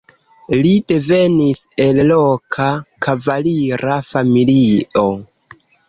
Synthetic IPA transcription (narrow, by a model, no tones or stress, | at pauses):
lide̞ve̞nise̞llokʰakʰavaliɾafamilio̞